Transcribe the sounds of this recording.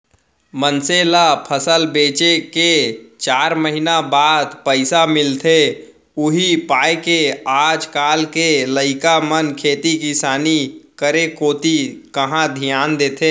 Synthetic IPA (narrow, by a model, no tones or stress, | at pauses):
mənselapʰəsəlbeːt͡ʃeket͡ʃaːɾməɦinabaːd̪pəɪsamɪlt̪ʰe | ʊɦipaːekeaːd͡ʒkaːlkeləɪkamənkʰeːt̪ikɪsaːnikəɾekoːt̪ikəɦãd̪ʱijaːnd̪eːt̪ʰeː